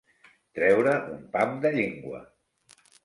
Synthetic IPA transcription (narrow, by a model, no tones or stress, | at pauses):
t̪ɾɛwɾəʔumpamd̪əʎeŋɡwə̰